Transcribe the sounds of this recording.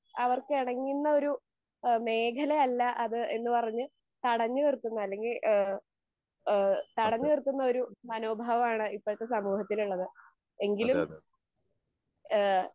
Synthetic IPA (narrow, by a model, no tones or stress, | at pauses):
ɐʋɐrkɨiɽɐŋːinːɐo̞ɾu | me̞ːkʰɐleɐlːɐʔɐðɨe̞nːɨpɐrɐɲːɨ | t̪ɐɽɐɲːɨkirt̪ːunːɐɐlːe̞ŋɡil | t̪ɐɽɐɲːɨkirt̪ːunːɐo̞ɾumɐno̞ːbʱaːʋɐmaːɳɨipːoːɻɨt̪ːe̞sɐmuːhɐt̪ːiluɭːɐðɨ | e̞ŋɡilu